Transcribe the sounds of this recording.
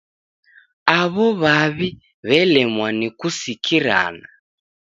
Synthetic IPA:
aβɔβaβi | βɛlɛmwanikusikʰiɾa̰ːna

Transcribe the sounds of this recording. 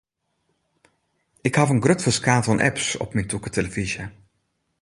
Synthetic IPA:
ɪkhavənɡrøtfəskaːvɔnʔɛ̰psɔ̰pmɛjntʰukətʰeləvizjə

